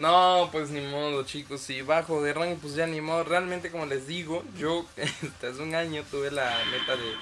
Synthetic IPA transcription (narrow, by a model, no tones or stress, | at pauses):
nopwe̞s̬nimoðot͡ʃikosiβaxoðeraŋɡop̬wes̬eanĩmoðorealmẽnt̪eko̞mo̞le̞zðiɣo̞ʝoest̪azuŋaɲo̞t̪uβe̞lame̞t̪aðe